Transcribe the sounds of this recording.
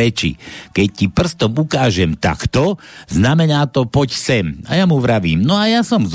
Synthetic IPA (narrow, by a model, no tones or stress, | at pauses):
ɛt͡ʃḭkɛc̚cipr̩st̪ɔmukaːʒɛmt̪a̰kt̪ɔznamɛnaːt̪ɔpɔcsɛma̰jamuʋɾaʋiːmnɔajasɔmz